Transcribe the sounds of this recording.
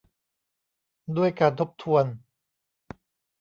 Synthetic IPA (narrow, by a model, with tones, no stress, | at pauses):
du˥˩əjkaː˧nt̪ʰo˦˥p̚t̪ʰu˧ən